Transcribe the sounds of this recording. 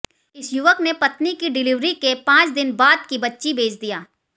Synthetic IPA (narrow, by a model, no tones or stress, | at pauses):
ɪsjʊʋəknepɐt̪nikiɖɪlɪʋɾikepãːt͡ʃd̪ɪnbaːd̪̚kibɐtːʃibeːd͡ʒd̪ijaː